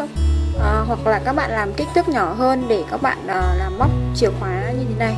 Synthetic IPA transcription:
ʔəː˨˩ɦwa˨˩k̚laː˨˩kaː˦˥k̚ɓa̰ː˧˨nlaː˨˩mki˦˥k̚t̪ɨ˦˥k̚ɲɔ˧˩ɦəː˧nɗe˧˩kaː˦˥k̚ɓa̰ː˧˨nʔəː˨˩laː˨˩mːa˦˥k͡p̚t͡ɕi˨˩əwxwaː˨˦ɲɨ˧t̪ʰe˨˦na˧˩j

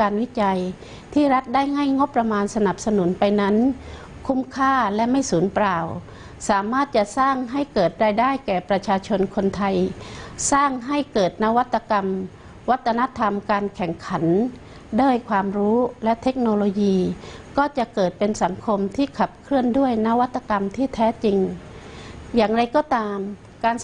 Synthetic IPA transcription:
kaː˧nwi˦˥t͡ɕa˧j | t̪ʰiː˥˩ɾa˦˥t̪̚daː˥˩jŋa˥˩jŋo˦˥pːɾa˧maː˧nsa˧na˨˩p̚sa˧nu˩˦npa˧jna˦˥n | kʰu˧˥˩mkʰaː˥˩lɛ˦˥ʔma˥˩jsuː˩˦npɾaː˧˩w | saː˩˦maː˥˩t̪̚t͡ɕa˧˩saː˥˩ŋɦa˥˩jkɤː˨˩t̪̚ɾaː˧jdaː˥˩jkɛː˨˩pɾa˧t͡ɕʰaː˧t͡ɕʰo˧nkʰo˧nt̪ʰa˧jsaː˥˩ŋɦa˥˩jkɤː˨˩t̪̚na˦˥wa˦˥t̪ʰːa˧ka˧m | wa˦˥t̪ʰːa˧na˦˥t̪ʰa˧mkaː˧nkʰɛ˨˩ŋkʰa˩˦n | daː˥˩əjkʰwaː˧mɾuː˦˥lɛ˦˥ʔt̪ʰe˦˥k̚noː˧loː˧jiː˧kɔː˥˩t͡ɕa˨˩ʔkɤː˨˩t̪̚pe˧nsa˩˦ŋkʰo˧mt̪ʰiː˥˩kʰa˨˩p̚kʰɯ˥˩əndu˥˩əjna˦˥wa˦˥t̪ʰːa˧ka˧mt̪ʰiː˥˩t̪ʰɛː˦˥t͡ɕi˧ŋ | jaː˨˩ŋɾa˧jkɔː˧˩t̪aː˧m | kaː˧n

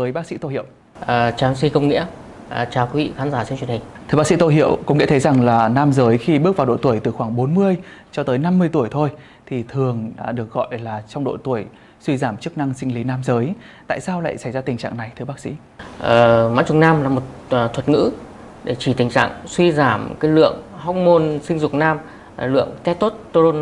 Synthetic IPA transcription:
vəː˨˦jɓaː˦˥sḭ˧˥t̪o˧jhḭ˧˨ə˨w | ʔəː˨˩t͡ɕaː˨˦nswi˧kə˧wŋ͡mŋḭ˧˥ə | ʔt͡ɕaː˨˩wki˨˦vḭ˧˨xaː˨˦nzaː˧˩si˧nt͡ɕwi˨˩ənhï˨˩ŋ̟t̪ʰɨ̥˧ə˩ɓa˦˥ksḭ˧˥t̪o˧ɦḭ˧˨əwkə˧wŋ͡mŋḭ˧˥əə˨˦jza˨˩ŋlaː˨˩naː˧mzəː˨˦jxi˧ɓɨ˦˥ək̚vaː˨˩ɗo̰˧˨t̪u˧˩əjt̪ɨ˨˩xwaː˧˩ŋɓo˨˦nmɨ˧əjt͡ɕɔ˧t̪əː˨˦jna˧mːɨ˧əjt̪u˧˩əjt̪ʰo˧j | t̪ʰi˨˩t̪ʰɨ˨˩əŋ˨˩ɗɨ˨˩ək̚ɣɔ̰˧˨jlaː˨˩t͡ɕɔ˧wŋ͡mɗo̰˧˨jt̪u˧˩əj | swi˧zaː˧˩mt͡ɕɨ˦˥k̚na˧ŋsï˧ŋ̟li˨˦naː˧mzəː˨˦j | t̪a̰ː˧˨jsaː˧wla̰ː˧˨jsa˧˩jzaː˧t̪ï˨˩ŋ̟t͡ɕa̰ː˧˨ŋna˨˩jt̪ʰɨ˧əɓaː˦˥k̚sḭ˧˥ | ʔəː˨˩ma̰ː˧˥nt͡ɕʊ˨˧˩naː˧mlaː˨˩mo˨˩t̚ːt̪ʰwə˨˩t̚ŋɨ̰˧˥ | ɗe˧˩t͡ɕi˧˩t̪ï˨˩ŋ̟t͡ɕa̰ː˧˨ŋswi˧zaː˧˩mkaː˨˦jlɨ̰˧˨əŋha˦˥wk͡p̚mo˧nsï˧ŋ̟zʊ˨˩k͡p̚naː˧m˨˩ | lɨ̰˧˨əŋt̪ɛ˦˥t̪o˦˥t̚t̪o˧o˧n

